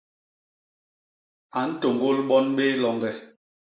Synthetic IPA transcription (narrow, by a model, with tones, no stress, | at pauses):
a˨n̩˦to˨ŋɡo˦lɓɔ˦nɓe˦lɔ˨ŋɡɛ˦˨